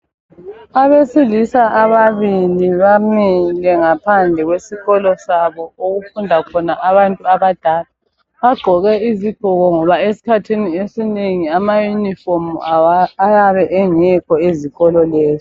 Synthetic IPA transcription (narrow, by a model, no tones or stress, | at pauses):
aβesilisaʔaβaβiliβamilɛŋapʰand͡ɮʱɛɣwesiɣɔlɔsaβɔoɣufundʱakʰɔnaʔaβantʼuaβad̥ʱaːla | βaɡ͡ǃʱɔɣɛiziɡ̥ʱɔɣɔŋɔβaesi̥kʰatʰiniesineŋiamajunifɔm | ajaβɛʔɛŋɛkʰɔeziɣɔlɔlɛːzi